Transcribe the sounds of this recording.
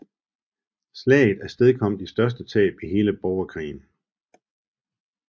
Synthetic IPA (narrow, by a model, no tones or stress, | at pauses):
slɛ̰ːð̩ˠæɐsd̥eð̞ˠkʰɒ̽m̰d̥isd̥ɶɐs̬d̥ət͡sʰɛ̰ːb̥iɦe̝ːləb̥ɒʊɐkʰʁḭːn̩